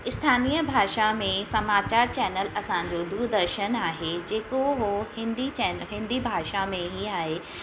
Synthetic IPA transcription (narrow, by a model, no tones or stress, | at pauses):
ɪst̪ʰaːniːjəbʱaːʃamẽsɐmaːt͡ɕaːɾt͡ɕɛːnəlɐsãːɲ̆d͡ʑod̪uːɾd̪əɾʃənaːɦed͡ʑeːkoɦohɪ̃nd̪it͡ɕɛɦɪ̃nd̪ibʱaːʃamẽɦiaːɦeː